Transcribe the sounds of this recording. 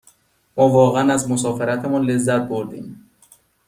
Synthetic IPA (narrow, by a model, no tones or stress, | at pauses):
mɒːvɒːɣeænæzmos̬ɒːfeɾæt̪ʰemɔnlezːæt̪̚boɾd̪ḭm